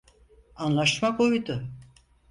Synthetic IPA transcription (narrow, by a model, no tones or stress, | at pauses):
anlˠaʃmakojd̪ʊ